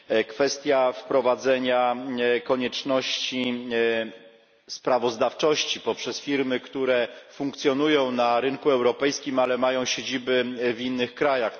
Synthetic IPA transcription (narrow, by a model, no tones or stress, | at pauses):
kfɛst̪ʲjafpɾɔvad̪zɛɲakɔɲɛt͡ʂnɔɕt͡ɕi | spɾavɔzd̪aft͡ʂɔɕt͡ɕipɔpʂɛsfʲiɾmɘkt̪uɾɛfũŋk̚t̪sʲjɔnujɔ̃w̃naɾɘŋkuɛwɾɔpɛjskʲimalɛmajɔ̃w̃ɕed͡ʑibɘvinːɘxkɾajax